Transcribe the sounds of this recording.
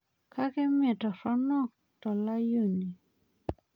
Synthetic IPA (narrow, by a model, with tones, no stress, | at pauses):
kʰa˦kɛ˦mɛ˨tɔ˨ɾɔ˦nɔ˦˨k̚ | tɔ˨la˦ju˦˨ni˨